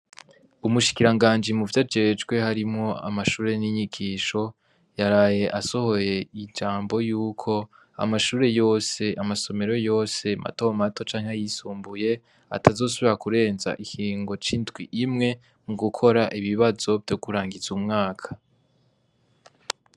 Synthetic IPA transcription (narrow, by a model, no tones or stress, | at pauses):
umuʃi̥kiɾaŋɡaːnd͡ʒimuvjad͡ʒe̞ːd͡ʒɡwe̞haɾimŋo̞a̰maʃuːɾe̞niɲiɡiːʃo̞ | jaɾaːje̞ʔaso̞ho̞je̞id͡ʒaːmbo̞juːkʰo̞ | a̰maʃuːɾe̞jo̞ːse̞amaso̞me̞ɾo̞jo̞ːse̞mʔa̰to̞mato̞t͡ʃaːŋ̥ejisuːmbuje̞ | a̰tʰazo̞ːs̬uβiɾakuɾe̞ːnza̰ʔihiːŋɡo̞t͡ʃiːndɡwiʔimŋe̞ | muɡukʰo̞ɾaʔiβiβazo̞vjo̞kuɾaːŋɡizumŋaːkʰḁ